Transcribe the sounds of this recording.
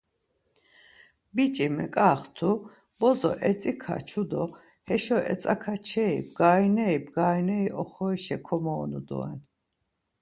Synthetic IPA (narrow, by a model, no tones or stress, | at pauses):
bit͡ʃʼimɛkʼaːχt̪ʰu | b̥ɔzɔʔɛt͡sʼikʰa̰t͡ʃʰud̪ɔ | hɛʃɔɛ̰t͡s̪ʼakʰat͡ʃʰɛib̚ɡaːjnɛibɡaːjnɛiʔɔχɔiʃɛkʰɔmɔːnṵd̪ɔ̰ɛ̰n